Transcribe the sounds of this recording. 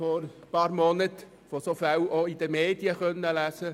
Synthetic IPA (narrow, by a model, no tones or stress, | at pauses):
fɔɾpɑːɾmɔnət̪ | fosofæwʔoid̥̪əmeːd̪jəχœnːəlæsə